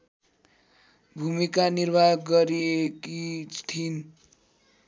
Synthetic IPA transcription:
bʱumikanirbʱajʌk̚ɡʌɾiekit̪ʰin

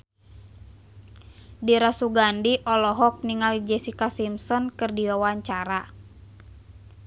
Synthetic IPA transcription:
diɾasuɡandiʔɔlɔɦɔk̚niŋalid͡ʒɛsikasimsɔnkɨrdiwawaɲt͡ʃaɾa

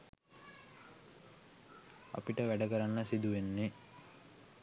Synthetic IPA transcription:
a̰piʈəʋæɖəkəɾanːəsid̪uʋenːe

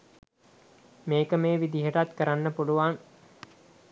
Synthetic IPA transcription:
meːkəmeːʋid̪iɦəʈat̪kəɾanːəpuluʋaŋ

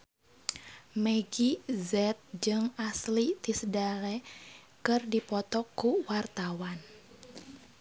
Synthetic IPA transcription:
meɡizɛt̪̚d͡ʒɨŋaslit̪isədalɛ | kɨrdipɔt̪ɔkːuwart̪awan

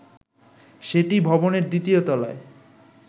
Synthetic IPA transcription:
ʃeʈibʱɔboneɾd̪it̪iot̪ɔlae

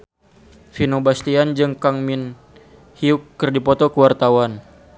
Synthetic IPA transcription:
finobast̪iand͡ʒɨŋkaŋmin | hiukːərdipɔt̪ɔkəwart̪awan

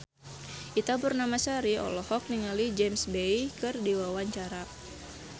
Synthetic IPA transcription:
ʔit̪abərnamasaɾiɔ̰lɔhɔk̚niŋalid͡ʒemsbejkɨrdiwawaɲt͡ʃaɾa

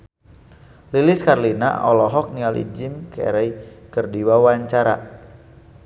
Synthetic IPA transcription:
lilɪskarlina̰ɔ̰lɔɦɔk̚nialḭd͡ʒɪmkɛ̰ɾɛikərdiwawaɲt͡ʃaɾa̰

